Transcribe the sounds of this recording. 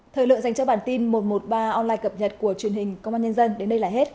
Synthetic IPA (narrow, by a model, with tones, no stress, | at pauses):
t̪ʰəː˨˩lɨ̰˧˨ŋza˨˩ŋt͡ɕɔ˧ɓaː˧˩nt̪i˧nmo˨˩t̚mo˨˩t̚ɓaː˧ʔɔ˧nlaː˧jkə˨˩p̚ɲə˨˩t̚ku˧˩ət͡ɕwi˨˩ənhï˨˩ŋ̟kə˧wŋ͡mʔaː˧ɲə˧nzə˧nɗe˨˦nɗə˧jlaː˨˩ɦe˦˥t̚